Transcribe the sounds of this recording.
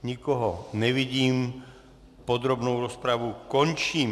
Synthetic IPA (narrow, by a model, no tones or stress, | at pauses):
ɲikɔɦɔnɛʋiɟiːm | pɔd̪ɾɔbnuʊɾɔspɾaʋukɔɲt͡ʃiː